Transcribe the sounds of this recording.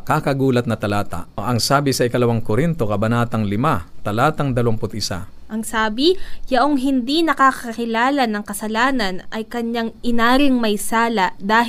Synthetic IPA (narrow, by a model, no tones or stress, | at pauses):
kakɐɡuːlɐt̪̚nɐt̪ɐlaːt̪ɐ̰ʔɐŋsaːbɪsɐʔɪkɐlɐwaŋkʊɾint̪o̞kɐbɐnaːt̪ɐŋlɪmat̪ɐlaːt̪ɐŋd̪ɐlɐmpʊt̪ʔɪsa̰ʔɐŋsaːbɪjɐʔoŋɦɪnd̪inɐkakɐkɪlaːlɐnɐŋkɐsɐlaːnɐnɐjkɐɲːaŋʔɪnaːɾɪŋmɐjsaːlɐd̪aːh